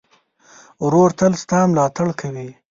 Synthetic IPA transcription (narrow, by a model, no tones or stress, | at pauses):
ɾoɾt̪əlst̪ɑːmlɑːt̪aɽkʰawi